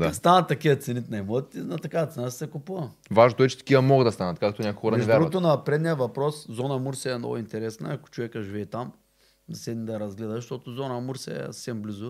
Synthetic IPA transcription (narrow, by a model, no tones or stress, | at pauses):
ast̪anɐt̪ːɐkiət̪sɛnit̪najmɔt̪t̪ɛnɐt̪ɐkavɐt̪sɛnasi̥sɛkupuvɐ | vaʒnot̪oɛt͡ʃɛ̥t̪ɐ̥kiɐmɔɡəd̪ɐst̪anɐt̪kakt̪onʲakxoɾɐnɛvʲaɾot̪onɐpɾɛd̪nijəvɐpɾɔszɔnəmuɾsɛɛmnɔ̰ɡʊint̪ɛɾɛsnə̰ɐkʊ̥t͡ʃovɛkəʒivɛːt̪am | d̪ɐsɛd̪nid̪ɐɾɐzɡlɛd̪ɐʃt̪ot̪ʊzɔnəmuɾsɛɛ̰ssɛmblizʊ